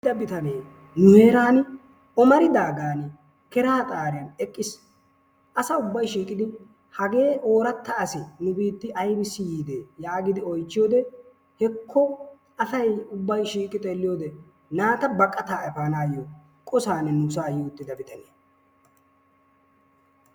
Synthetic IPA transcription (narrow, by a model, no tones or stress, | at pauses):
d̪ɐbɪt̪ɐneː | nʊhe̞ːɾaːn | ɔmɐɾɪd̪aːɡaːn | kɛɾaːt̪ʼaːɾjɐnɛkʼːɪs | ʔɐsɐʊbːɐjʃiːkʼɪd̪ɪ | hɐɡe̞ːʔo̞ːɾɐt̪ːɐːsɪnʊbiːt̪ːɪʔɐjbɪsːɪjiːd̪eːjaːɡɪd̪ɪɔjt͡ʃːɪjoːd̪ɛ | hɛkʰːɔ | ɐsɐjʊbːɐjʃiːkʼɪt̪ʼeːlːɪjoːd̪ɛ | naːt̪ɐbɐkʼːɐt̪aːɛpaːnaːjo | kʼɔsaːnɛnʊsaːjuːt̪ːɪd̪ɐbɪt̪ɐneː